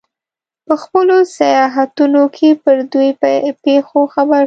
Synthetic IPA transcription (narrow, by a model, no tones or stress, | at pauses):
pəxpəlosajɑɦat̪unokʰepəɾd̪ujpexoxabaɾ